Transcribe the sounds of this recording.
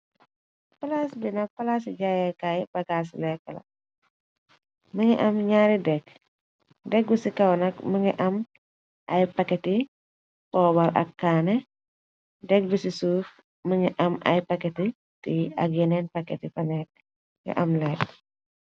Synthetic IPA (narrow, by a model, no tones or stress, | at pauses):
pɐlasbinɐpɐlas̬iɟajɛkajbɐkaːslɛkːɐlɐ̰ | məŋɛʔɐmɲaːɾidɛk | dɛk̚busikɐwnɐkməŋɛʔɐm | ʔɐjpɐkɛti | pɔbɐlɐ̰kːaːnɛ | dɛk̚bisisuːf | məŋiʔɐmɐ̰jpɐkːɛti | tiɐ̰ɡinɛnpɐkːɛtifɐnɛk̚ | ɡɐ̰ʔɐmlɛk